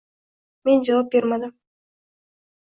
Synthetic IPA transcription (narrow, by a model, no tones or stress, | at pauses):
me̞nd͡ʒɑvap̚bʲeɾmɑd̪ɨm